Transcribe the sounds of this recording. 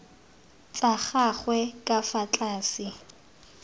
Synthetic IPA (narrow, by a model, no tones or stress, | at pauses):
t͡sʼaχaχwɛkʼafat͡ɬʼaːsɪ